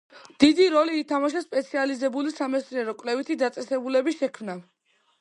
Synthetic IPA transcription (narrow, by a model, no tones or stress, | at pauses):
d̪̥id̪iɾɔliːt̪ʰamaʃɛspʼɛt̪sʰializɛbulisamɛsɾiɛɾɔkʼvlɛvit̪ʰid̪at̪sʼɛsɛbulɛbiʃɛkʰmna